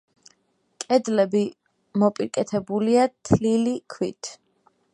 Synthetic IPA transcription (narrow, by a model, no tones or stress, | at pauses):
kʼɛd̪lɛbi | mɔpʼiɾkʼɛt̪ʰɛbuliat̪ʰlilikʰwḭt̪ʰ